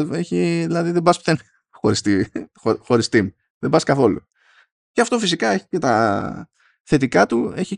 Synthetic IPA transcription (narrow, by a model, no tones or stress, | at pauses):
e̞çiðilɐðiðebɐspθen | xo̞ɾist̪i | oxo̞ɾist̪imu | ðebɐskɐθo̞lṵ | eɐft̪o̞fisikɐe̞çi̥cet̪ɐ | θe̞t̪ikɐt̪ue̞çi